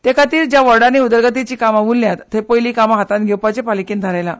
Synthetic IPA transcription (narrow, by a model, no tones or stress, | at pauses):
t̪ekat̪iːɾd͡ʑjaʋəɾɽaneud̪əɾɡət̪it͡ɕiːkamaʋulːjat̪ʰːepojlikamaɦat̪ãnɡʱewpat͡ɕepalikiːnd̪ʱaɾajla